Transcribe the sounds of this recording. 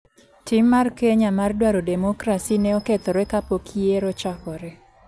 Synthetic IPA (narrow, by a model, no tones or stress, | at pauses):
tɪmːarkeɲamardwaɾodɛmokɾasinɛɔkɛt̪ɔɾɛkapokʰieɾɔt͡ʃɔkɔɾɛ